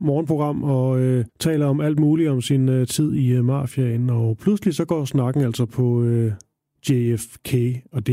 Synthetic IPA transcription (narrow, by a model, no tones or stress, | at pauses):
mɒːnpʰʁoɡ̥ʁɑ̈m̰ɒ̽øt͡sʰɛ̰ːlɐɒ̽mæl̰d̥muːliɒ̽msinøt͡sʰið̰ˠimɑ̈fjæenɒ̽pʰlusəlisɒ̽ɡ̥ɒ̰ːsnɑ̈ɡ̥n̩æl̰sɒpʰɒ̽ø | ɡ̥eefkʰeɒ̽d̥e̝